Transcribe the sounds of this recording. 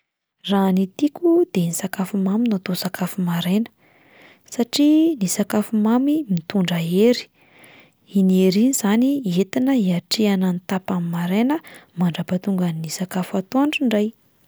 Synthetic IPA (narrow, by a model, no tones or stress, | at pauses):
ranit̪ikʲud̪̥enisakafumaminat̪osakʰafumaɾenə̥ | saʈ͡ʂinisakafumamimit̪uɳɖ͡ʐaeɾi̥ | ineɾinizaniet̪inəiaʈ͡ʂiananit̪apamimaɾenəmaɳɖ͡ʐapat̪uŋɡaninisakafat̪oaɳɖ͡ʐiɳɖ͡ʐaj